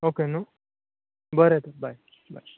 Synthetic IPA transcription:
okeno | bəɾet̪abaj | ba̰j

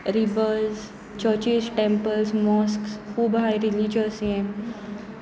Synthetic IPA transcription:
ɾibəz | t͡ɕət͡ɕizʈẽmpəlsmɔsksxuːbajɾilid͡ʑəsiem

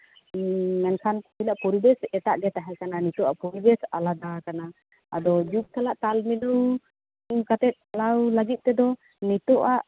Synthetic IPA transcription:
ŋankʰanbilaʔpuɾibɛsɛt̪aʔɡɛt̪aɦɛkananit̪uʔaʔpɔɾibɛsa̰lad̪akana | ʔad̪ɔd͡ʒuk̚t̪alaʔt̪alminuw | kat̪ɛt̪̚alawlaɡit̪̚ːɛd̪ɔ | nit̪ɔʔaʔ

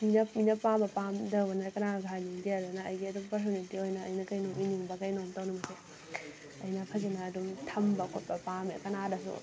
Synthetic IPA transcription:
minɐpminɐpabɐpamdɐwbɐnɐkɐnaɡʱaniŋdiadɐnɐɐjɡiɐdumpɐɾs̬onintiojnɐ̰ːjnɐkɐjnominiŋbɐkɐjnomtɐwnumɐse | ɐjnɐpʰɐzɐnɐːdumtʰɐmbɐkʰot̚pɐpamekɐnadɐs̬ṵ

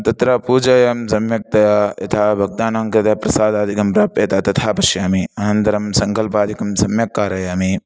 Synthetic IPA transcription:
t̪ɐt̪ɾaːpuːd͡ʒɐjɐmsɐmjɐk̚t̪ɐjajɐt̪ʰaːbʱɐɡ̚d̪aːnaːŋkɐt̪ɐpɾɐsaːd̪aːd̪ikɐmpɾaːp̚t̪eːt̪aːt̪ɐt̪ʰaːpɐʃjaːmiɐnɐ̃nd̪ɐɾɐmsɐŋkɐlpaːd̪ikɐmsɐmjɐkːaːɾɐjaːmi

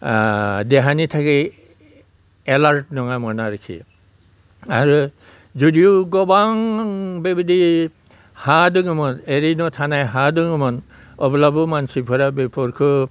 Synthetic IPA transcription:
dɛɦanitʰaki | ɛlaɹt̚nɔŋamɔnaɾikʰḭ | aɹu | zɔdijʊɡɔbaŋbebidi | hadɯŋɯmɔteɾinɔtʰanajɦadɯŋɯmɔn | ɔblabɔmansipʰɔɾabepʰɔɾkʰɔ

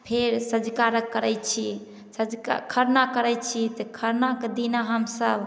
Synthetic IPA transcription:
pʰeɾsəd͡ʒkaɾəkːəɾɛjt͡ʃʰi | səd͡ʒka̰kʰəɾnakəɾɛjt͡ʃʰit̪ɔkʰəɾnaked̪inaɦəmsəb

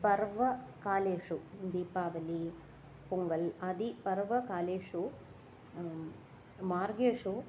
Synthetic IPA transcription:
pɐɾʋɐkaːleːʂud̪iːpːaːʋɐli | puŋɡɐlɐd̪ipɐɾʋɐkaːleːʂu | maːɾɡeːʂu

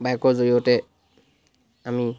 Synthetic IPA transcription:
bajkɔzojotɛ | ami

